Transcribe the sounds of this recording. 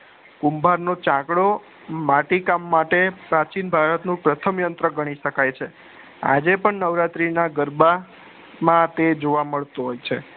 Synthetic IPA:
kumbʱaɾnot͡ʃãkɽo | maʈikamːaʈepɾat͡ʃinbʱaɾət̪nũpɾət̪ʰəmjənt̪ɾəɡəɽ̃iʃəkajt͡ʃʰe | a̰d͡ʒepəɳnəʋɾat̪ɾinaɡəɾba | mãt̪ed͡ʒoʋaməɭt̪oɦojt͡ʃʰe

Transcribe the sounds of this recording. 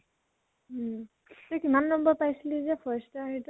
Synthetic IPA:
tɔjkimanːɔmbɔpajsilizɛpʰɔstɔaɦit

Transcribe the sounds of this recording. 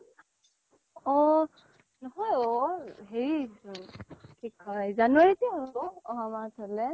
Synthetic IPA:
ɔ | nɔɦɔjɔɦeɹi | kikɔjzanuwaɹitiɦɔbɔɔɦamatʰɔlɛ

